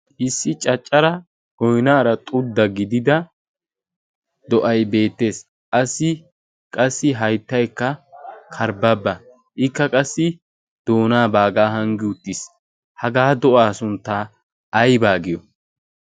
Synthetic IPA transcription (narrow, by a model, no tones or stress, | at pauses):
ʔɪsːɪt͡ʃʼɐt͡ʃʼːɐɾɐ | ɡ̥ɔjnaːɾɐt̪ʼʊd̪ːɐɡɪd̪ɪd̪ɐ | d̪ɔʔɐjbe̞ːt̪ːe̞ːs | ʔɐsɪ | kʼɐsːɪɦɐjt̪ːɐjkːɐkʰɐɾbɐbːɐ | ʔɪkːɐkʼɐsːɪ | d̪̥o̞ːnaːbaːɡaːɦɐŋɡɪʊt̪ːɪs | hɐɡaːd̪ɔʔaːsʊnt̪ːa | ɐjbaːɡɪjɔ